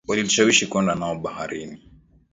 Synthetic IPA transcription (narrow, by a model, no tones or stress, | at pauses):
waliliʃawiʃikwɛndanaɔɓahaɾini